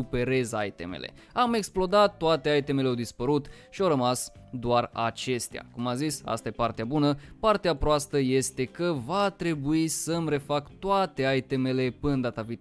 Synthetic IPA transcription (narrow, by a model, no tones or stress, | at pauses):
upe̞ɾe̞zajt̪e̞̰mḛlʔe̞̰ | ame̞ksplo̞d̪at̪ːoat̪e̞ajt̪e̞meleawd̪ispəɾut̪ | ʃiawɾəmas | d̪oara̰t͡ʃe̞st̪ea̰kumazisa̰st̪aje̞part̪eabunəpart̪eapɾoast̪əje̞st̪e̞kəvat̪ɾe̞buisəmre̞fakt̪oat̪e̞ajt̪e̞me̞le̞pɨnənd̪at̪avit̪